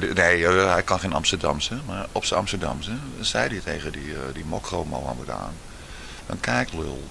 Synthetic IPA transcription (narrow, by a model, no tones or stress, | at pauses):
neːɦɛjkɔnxeːnɑ̰mstərdamsəmarɔpsəɑmstərda̰msəsɛjditeːɣədidimɔkrowmo̰a̰məda̰ːn | dɔ̰nkʰɛjklø̰lˠ